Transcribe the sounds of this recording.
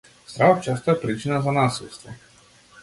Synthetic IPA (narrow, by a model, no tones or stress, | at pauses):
st̪ɾavat͡ʃast̪ajepɾit͡ʃinazanasulst̪və